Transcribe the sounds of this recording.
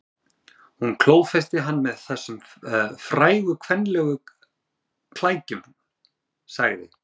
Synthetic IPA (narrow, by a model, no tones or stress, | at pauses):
hunkʰloːwfɛst̪ɪɦanːmɛðθɛsːʏmfɾaːjɣʏkʰvɛnːlɛɣʏ | kʰlaːjcʏm | sa̰ɣðɪ̰